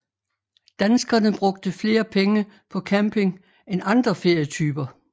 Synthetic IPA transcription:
d̥ænsɡ̥ɐnəb̥ʁɔ̽ɡ̥̚d̥əfle̝ːɐpʰeŋə | pʰɒ̽kʰæmpʰe̝ŋ | enɑ̈nd̥ʁɐfe̝ɐ̰jət͡sʰyːb̥ɐ

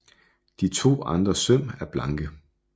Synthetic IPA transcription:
d̥it͡sʰo̝̰ːɑ̈nd̥ʁɐsøm̰æɐb̥lɑ̈ŋɡ̥ə

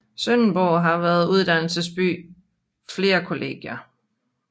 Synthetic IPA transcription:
sœnnb̥ɔʊ̰ɦɑ̈ʋæːɐð̞ˠuð̞ˠd̥æn̰l̩səsb̥y̰ː | fle̝ːɐkʰo̝lʔe̝̰ːɡ̥jɐ

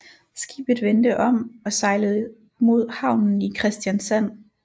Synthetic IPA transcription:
sɡ̥ḭːb̥ð̞̩ˠʋend̥əʔɒ̽mɒ̽sɑ̈ɪləð̩ˠ | mo̝ð̞̰ˠhɑ̈ʊ̰nn̩ikʰʁɛsd̥jænsæn̰

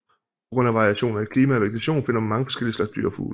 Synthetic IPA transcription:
pʰɒ̥ʁɔ̽n̰æʋɑ̈ʁiæɕo̝̰ːnɐnikʰliːmææʋeɡ̥e̥t͡sʰæɕo̝̰ːnfe̝n̰ɐmmːɑ̈ŋəfɒ̽sɡ̥el̰iəslɑ̈ɡ̥sd̥y̰ɐ̰fṵːl

